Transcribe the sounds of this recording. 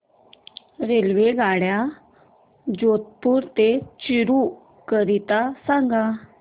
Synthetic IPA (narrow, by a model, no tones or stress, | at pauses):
ɾelʋeɡʱaɽja | d͡ʑot̪̚puɾt̪et͡ɕiɾu | kəɾit̪asãŋɡa